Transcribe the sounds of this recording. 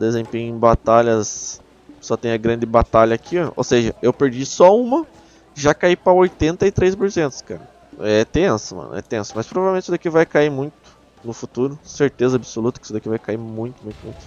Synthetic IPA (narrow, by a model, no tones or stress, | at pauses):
d̪ezẽmpẽɲʊẽbat̪aʎɐs | sɔt̪ẽj̃ɐɡɾɐ̃nd͡ʒ̪ɪbat̪aʎɐakʰiɐ̃o̰wseʒɐewpeɾd͡ʒisɔũmɐ | ʒakaipɾɐojt̪ẽnt̪ɐɪt̪ɾejspʊɾsẽnt̪ʊ̥skaɾɐ | ɛt̪ẽsʊmɐ̰̃nʊ̰ɛ̰t̪ẽsʊmɐspɾovavewmẽt̪t͡ʃɪsud̪akivajkaimũj̃t̪ʊ̥ | nʊfut̪uɾʊseɾt̪ezɐabɪsolut̪ɐkɪ̥sud̪akivajkaimũj̃t̪ʊmũj̃t̪ʊmũj̃t̪ʊ